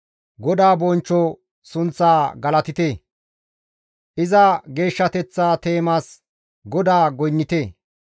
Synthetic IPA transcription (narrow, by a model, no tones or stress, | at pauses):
ɡɔd̪aːbɔnt͡ʃːɔ | sʊnt͡sːaːɡɐlɐt̪ɪt̪eː | ʔɪzɐɡe̞ːʃːɐt̪ɛt͡sːaːt̪e̞ːmaːs | ɡɔd̪aːɡɔjnːɪt̪eː